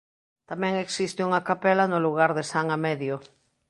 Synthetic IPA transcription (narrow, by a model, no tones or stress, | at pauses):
t̪amɛ̃ŋeksist̪ɪuŋakapelanoluɣ̞aɾðesaŋamɛðjo